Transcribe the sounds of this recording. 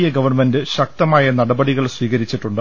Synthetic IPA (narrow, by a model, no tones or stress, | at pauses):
jɐɡɐʋɐrmendɨɕɐk̚t̪ɐmaːjɐnɐɽɐbɐɽiɣɐɭswiːɣɐɾit͡ɕːiʈːuɳɖɨ